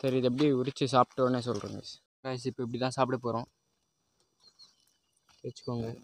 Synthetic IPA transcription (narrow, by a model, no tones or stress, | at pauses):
sɐɾiɐðɛp̬ːɐɽiʊɾɪt͡ʃːɯs̬aːpʈːoːneːs̬ɔlɾɯ̰ːŋɡɐ̰ | kaːjɐs̬iɪpːoɛp̬ːɐɽit̪ãːsaːpɪʈɐpoːɾõː | ʋɐt͡ʃːɯ̥kːoːŋɡɐ